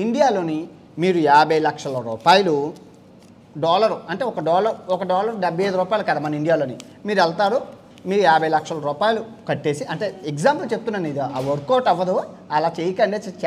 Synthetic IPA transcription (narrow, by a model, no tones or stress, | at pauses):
iɳɖijaːlo̞ːni | miːɾujaːbʱɐjlɐkʂɐlɐɾuːpaːjɐlu | ɖɔːlɐɾuɐɳʈe̞ːɔkɐɖɔːlɐɾuɔkɐɖɔːlɐɾɖɐbʱɐjɐjd̪uɾuːpaːjilukɐd̪aːmɐnːɐiɳɖijaːloːni | miːɾɛlt̪aːɾu | miːɾujaːbʱɐjlɐkʂɐlɐɾuːpaːjɐlukɐʈːe̞ːsiʔɐɳʈe̞ːekd͡ʒaːmpɐlt͡ʃeb̚t̪unːɐnid̪aːʋoɾkoːʈɛʋːɐd̪uɐlaːt͡ʃejikɐɳɖeːt͡ʃt͡ʃ